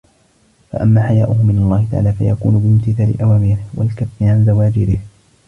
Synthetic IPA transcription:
fa̰ʔamːaːħajaːʔʊhʊmɪnalˤːɑːhɪt̪aʕa̰ːlaːfa̰jakṵːnʊbɪmt̪ɪθaːlɪ̰ʔawaːmiːɾɪhwa̰lkafːɪʕanzawaːd͡ʒɪɾɪh

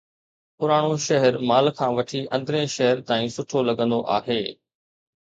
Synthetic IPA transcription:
pʊɾaːɽ̃oʃɐɦəɾmaːlkʰãːʋɐʈʰiʔɐ̃nd̪ɾẽʃɐɦəɾt̪aːĩːsʊʈʰolɐɠə̃nd̪oʔa̰ːɦeː

